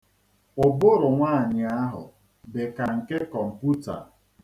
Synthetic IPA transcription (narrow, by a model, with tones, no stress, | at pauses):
ʊ˨bʊ˦ɾʊ˨ŋʷaː˦˨ɲɪ˨a˦ɦʊ̰˨ | be˨ka˨ŋ̩˨ke˦kɔ˨m̩˨pu˦ta̰˨